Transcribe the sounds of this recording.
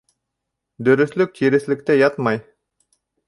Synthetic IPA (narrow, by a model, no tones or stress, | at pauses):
d̪ɵ̆ɾɵ̆θlɵk̚t̪ʰiɾɘ̆θlɘ̆k̚t̪æjɑt̪mɑj